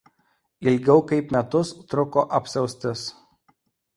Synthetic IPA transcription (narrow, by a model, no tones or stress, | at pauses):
ɪlʲɡʲɛʊkɐɪpmʲɛt̪ʊst̪ɾʊkoːʔɐpʲsʲɛʊsʲt̪ʲɪs